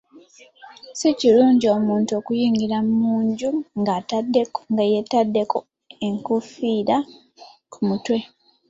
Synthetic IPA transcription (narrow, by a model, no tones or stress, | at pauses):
siciluːɲɟio̞ːmuːntuo̞ːkujiːŋɡiɾammuːɲɟuŋɡaːtadːe̞kŋɡajetadːe̞ko̞ | eŋkufiːɾa | kʰumutwe̞